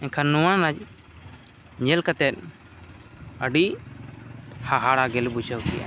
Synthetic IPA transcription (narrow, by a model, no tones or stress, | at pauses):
ɛɲkʰanuwanad͡ʒ | ɲɛlkat̪ɛt̪̚ | əɖi | haɦaɽaɡɛlbud͡ʒəwkɛ̰jʔa̰